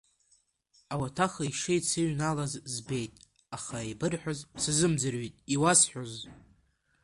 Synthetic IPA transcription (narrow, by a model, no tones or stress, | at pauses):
awatʰaχaiʂɨjt͡sʰɨɥnalazzbe̞jtʼ | aχaebɨrħʷᶣozsazɨmd͡zɨrɥitʼiwasħʷᶣoz